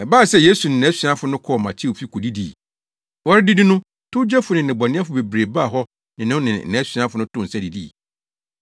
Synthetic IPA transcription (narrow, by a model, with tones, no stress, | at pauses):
ɛ˨ba˦˨sɛ˦je˦su˨nɪ̃˨nɛ̃˨˦ɕi˨ã˦fʊ˦nʊ̃˦kʰɔ˦˨mã˨t͡ɕʰɪ˦wo˨fi˦kʰo˨di˦dḭ˨ | wɔ˦ɾɪ˦dɪ˦dɪ˦nʊ̃˦ | tʰʊ˦d͡ʑɛ˦fʊ˨nɪ̃˨n˨ɪ̃˨bɔ˨nɪ̃˦a˦fʊ˨be˨bɾe˨ba˦˨ɦɔ˦ | nɪ̃˨nʊ̃˦nɪ̃˨n̩˨ɛ̃˨˦ɕɥã˦fʊ˨˦nʊ̃˦tʰʊ̃˦˨n̩˨sɛ˦di˨dḭ˦˨